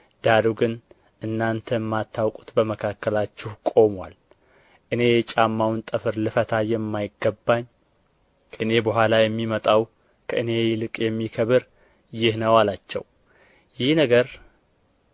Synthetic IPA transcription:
d̪̥aɾuɡɨn | ʔɨnːant̪ʰəmːat̪ʰːawkʼu̥t̪bəməkʰakːəlat͡ʃːɪhkʼo̞mwa̰l | ʔɨne̞jɛt͡ʃʼamːawnt̪ʼɨfɨɾlɨfət̪ʰajɛmːajɪɡːəbːaɲːʰ | ʔɨne̞bəɦʷalajɛmːimət̪ʼaw | kʰəʔɨne̞jlɨkʼjɛmːikʰəβɨɾ | jɪhnəwalat͡ʃːɛ̰w | jɪhnəɡəɾ

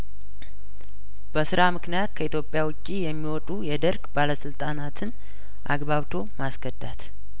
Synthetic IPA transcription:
b̥əsɨɾamɨknijat̪kʰəit̪jo̞pʼːjawʊt͡ʃʼːijɛmːiwɔt̪ʼujɛd̪əɾɡbaləsɨlt̪ʼanat̪ʰɨn | ʔa̰ɡβaβt̪ʰo̞masɡ̥əd̪ːat̪

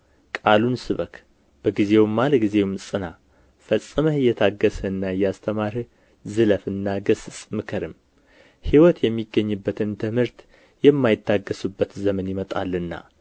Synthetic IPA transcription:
kʼalunsɨβək | b̥əɡize̞wmːalɡize̞wmsʼɨna | fəsʼːɨməjːɛt̪ʰaɡːəsəɨnːaɨjːast̪ʰəmaɾ | zɨləfɨnːaɡəssʼmɨkʰəɾɨm | hiwɔt̪jɛmːiɡːəɲːɨbːət̪ʰɨnt̪ʰɨmhɨɾt̪ | jɛmːajɪt̪ʰːaɡːəsubːət̪zəmənjɪmət̪ʼa̰lːɨnːa̰

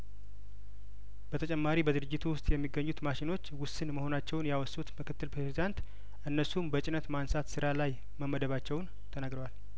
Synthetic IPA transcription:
b̥ət̪ʰət͡ʃʼɛmːaɾibəd̪ɨɾɨd͡ʒːɪt̪ʰuwʊst̪ʼjɛmːiɡːəɲːut̪maʃɪno̞t͡ʃːwʊsːɨnməho̞nat͡ʃːɛwnjawɔsːut̪mɨkɨt̪ːɨlpɾezid̪ant̪ | ʔɨnːəsumbət͡ʃʼɪnət̪mansat̪sɨɾalaj | məmːəd̪əβat͡ʃːɛwn | t̪ʰənaɡɾəwal

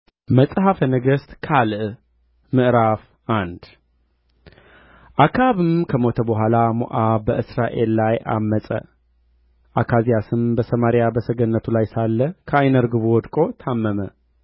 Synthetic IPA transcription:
məsʼɦafənəɡəst̪ʼkʰalɨʔ | mɨʔɾaf | ʔand̪ | ʔakʰaβɨmkʰəmo̞t̪ʰəbəɦʷalamo̰ʔabəʔɨsɾaʔe̞lːajʔa̰mːəsʼə̰ | ʔakʰazijasɨmbəsəmaɾijabəsəɡənːət̪ʰulajsalːəkʰəajnəɾɡɨβuwɔd̪kʼo̞t̪ʰamːəmə

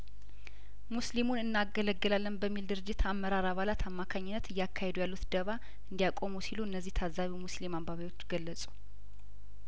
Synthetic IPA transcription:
muslimunɨnːaɡələɡːɨlalːənbəmːild̪ɨɾɨd͡ʒːɪt̪ʰamːəɾaɾaβalat̪ʰamːakʰaɲːɪnːət̪ɨjakʰːahed̪ujalːut̪d̪əβa | ɨnd̪ijakʼo̞musiluɨnːəzːiht̪ʰazaβimuslimambaβajo̞t͡ʃːɡəlːəsʼu̥

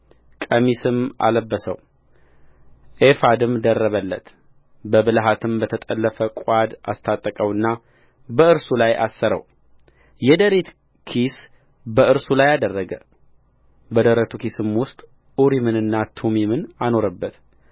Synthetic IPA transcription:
kʼəmisɨma̰ləbːəsə̰w | ʔefad̪ɨmd̪ərːəβəlːət̪ | bəbɨlɦat̪ʰɨmbət̪ʰət̪ʼəlːəfəkʷʼad̪a̰st̪ʰat̪ʼːəkʼəwɨnːa | bəɨɾsulajʔa̰sːəɾə̰w | jɛd̪əɾit̪ | kʰis | bəɨɾsulajad̪ərːəɡə | bəd̪əɾət̪ʰukisɨmwʊst̪ʼ | uɾimɨnɨnːat̪ʰumimɨnano̞ɾəbːət̪

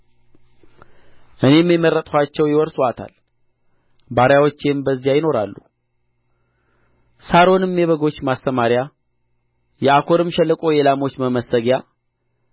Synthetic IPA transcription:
ʔɨne̞mːimːəɾːət̪ʼkʰʷat͡ʃːɛwjɪwɔɾswat̪ʰa̰l | baɾjawo̞t͡ʃːembəzːijajɪno̞ɾa̰lːṵ | saɾo̞nɨmjɛβəɡo̞t͡ʃːmast̪əmaɾja | jɛakʰo̞ɾɨmʃɛlːəkʼo̞jelamo̞t͡ʃːməməsəɡja

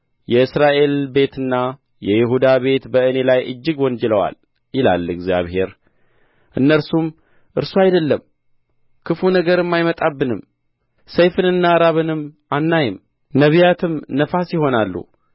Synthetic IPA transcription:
jɛɨsɾaʔe̞lbe̞t̪ɨnːa | jɛjɪɦud̪aβe̞t̪bəɨne̞lajʔɨ̰d͡ʒːɨɡwɔnd͡ʒɛləwa̰l | jɪla̰lɨɡzja̰βhe̞ɾ | ʔɨnːəɾsum | ʔɨɾsuajd̪əlːəm | kʰɨfunəɡəɾɨmːajmət̪ʼabːɨnɨm | səjfɨnɨnːaɾaβɨnɨmːʔanːajɪm | nəβijat̪ʰɨmnəfasjɪho̞nalːṵ

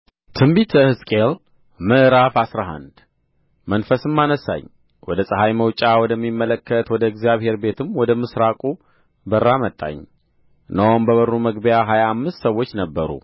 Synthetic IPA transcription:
t̪ʰɨmbit̪ʰəhɨskʼel | mɨʔɾafasɾaɦa̰nd̪ | mənfəsɨmːanəsa̰ɲ | wɔd̪əsʼɨɦajməwt͡ʃʼawɔd̪əmːimːələkʰːət̪wɔd̪əɛɡzjaβhe̞ɾbe̞t̪ʰɨmwɔd̪əmɨsɾakʼu | bərːamət̪ʼːa̰ɲ | nəwombəβərːuməɡbəjaɦajaːmːɨst̪səwːot͡ʃːnəbːəɾṵ

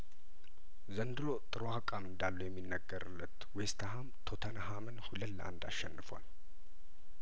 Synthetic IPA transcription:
zənd̪ɨlo̞t̪ʼɨɾwakʼamɨnd̪alːujɛmːinːəɡːəɾɨlːət̪west̪ʰaɦamt̪ʰo̞t̪ʰənhamɨnhuləlːəʔa̰nd̪a̰ʃːɛnːɨfwa̰l

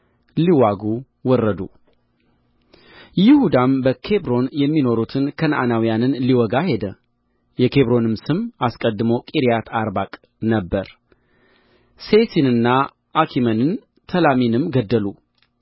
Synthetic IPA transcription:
liwaɡu | wɔrːəd̪u | jɪhud̪ambəkʰe̞bɾo̞njɛmːino̞ɾut̪ʰɨnkʰənʔanawijanɨnliwɔɡahe̞d̪ə | jɛkʰe̞βɾo̞nɨmsɨmaskʼəd̪ːɨmowkʼiɾijat̪ʰaɾbakʼ | nəbːəɾ | se̞sinɨnːa | ʔakʰimənɨn | t̪ʰəlaminɨmɡəd̪ːəlu

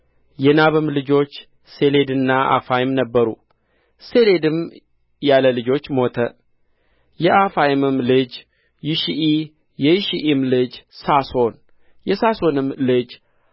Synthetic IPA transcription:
jɛnaβɨmlɨd͡ʒo̞t͡ʃː | se̞le̞d̪ɨnːaʔa̰fajɪmnəbːəɾṵ | se̞le̞d̪ɨm | jaləlɨd͡ʒo̞t͡ʃːmo̞t̪ʰə | jɛʔafajɪmɨmlɨd͡ʒ | jɪʃiʔi | jɛjɪʃiʔimlɨd͡ʒsaso̞n | jɛsaso̞nɨmlɨd͡ʒ

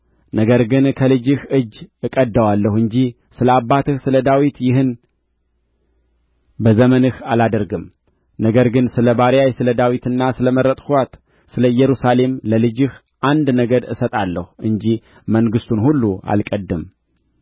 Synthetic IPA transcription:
nəɡəɾɡɨnkʰəlɨd͡ʒɨhʔɨd͡ʒːɨkʼəd̪ːəwalːəhɨɲd͡ʒi | sɨləabːat̪ɨhsɨləd̪awit̪jɪɦɨn | bəzəmənɨhalad̪əɾɡɨm | nəɡəɾɡɨnsɨləbaɾjajsɨləd̪awit̪ɨnːasɨləməɾət̪ʼhwat̪ | sɨləjɛɾusale̞mləlɨd͡ʒɨh | ʔand̪nəɡəd̪ɨ̰sət̪ʼalːəhʔɨɲd͡ʒi | məŋɡɨst̪ʰunhulːua̰lkʼəd̪ːɨm

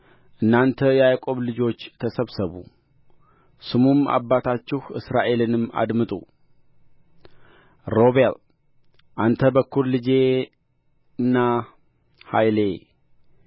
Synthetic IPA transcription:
ʔɨnːant̪ʰəjajkʼo̞βlɨd͡ʒo̞t͡ʃːt̪ʰəsəβsəβṵ | sɨmuma̰bːat̪ʰat͡ʃːɪhʔɨ̰sɾaʔe̞lɨnɨma̰d̪mɨt̪ʼṵ | ɾo̞βel | ʔant̪ʰəbəkːuɾlɨd͡ʒe̞ | ɨnːa | hajle̞

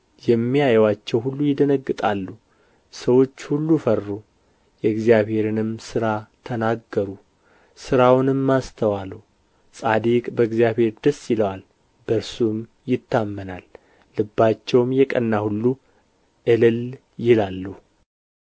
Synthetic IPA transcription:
jɛmːijajɛwat͡ʃːɛwhulːujɪd̪ənəɡːɨt̪ʼalːu | səwo̞t͡ʃːhulːufərːu | jɛɨɡzijaβhe̞ɾɨnɨmsɨɾat̪ʰənaɡːəɾu | sɨɾawnɨmːast̪ʰəwalu | sʼad̪ikʼbəɨɡzjaβhe̞ɾd̪əsːjɪləwal | bəɾsum | jɪt̪ʰːamːənalː | ɨbːat͡ʃːɛwmjɛkʼənːahulːu | ʔɨlɨl | jɪlalːu

